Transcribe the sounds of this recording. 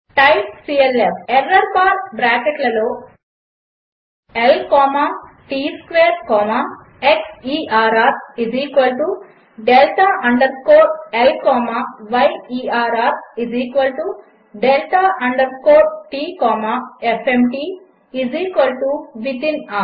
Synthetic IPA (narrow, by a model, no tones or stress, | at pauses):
ʈɐjpsiːelefeɾːɐɾpaːɾʈbɾaːkeʈlɐloː | elkɔːma | ʈiːskʋeːɾkɔːma | eksiːaːɾaːɾiziːkʋɐlʈu | ɖelʈ̪aʔɐɳɖɐɾkoːʈelkɔːmaʋɐjiːaːɾaːɾiziːkʋɐlʈu | ɖelʈ̪aʔɐɳɖɐɾkoːʈʈiːkɔːmaefemʈiː | iziːkʋɐlʈuʋit̪inaː